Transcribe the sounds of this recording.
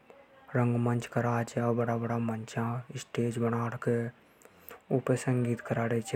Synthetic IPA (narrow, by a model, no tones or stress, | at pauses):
ɾə̃ŋɡmə̃nt͡ʃkəɾaːt͡ʃeabəɽabəɽamənt͡ʃãːɪsʈeːd͡ʒbənaːɽke | ʊpesəŋɡiːt̪kəɾaːɽet͡ʃe